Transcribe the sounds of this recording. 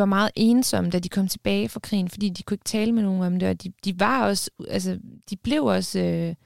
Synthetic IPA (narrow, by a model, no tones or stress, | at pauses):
ʋɑ̈mɑ̈ːð̩ˠʔe̝ːnsɒ̽m̰əd̥æd̥ikʰɒ̽m̰t͡sʰe̝b̥ɛːɪfʁɑ̈kʰʁḭːn̩fɒd̥ḭːd̥ikʰue̝ɡ̥ə̥t͡sʰɛːləmeno̝ːn̩ɒ̽md̥e̝ɒ̽d̥id̥iʋɑ̈ɒ̽sælsəd̥ib̥le̝ʊɒ̽sø